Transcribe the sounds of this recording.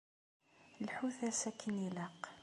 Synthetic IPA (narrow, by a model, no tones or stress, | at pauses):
lħuθæsækʰːəniləq